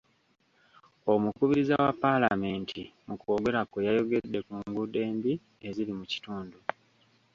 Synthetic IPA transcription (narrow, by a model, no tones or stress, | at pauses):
o̞mukuβiɾizawapːalame̞ːntʰimukoːɡe̞ɾakojajo̞ɡe̞dːe̞kuːŋɡude̞ːmbi | e̞zilimuci̥tuːndu